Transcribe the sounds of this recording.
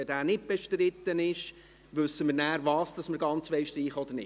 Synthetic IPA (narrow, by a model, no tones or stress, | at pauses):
ɛdæːnɪt̚b̥ɛʃtɾɪt̪ːənɪʃ | ʋʉsːəmɪɾnæːɾvɑːsd̥ɑsməɾɡɑnt͡sʋɛɪʃtɾiːχɔd̪əɾnɪ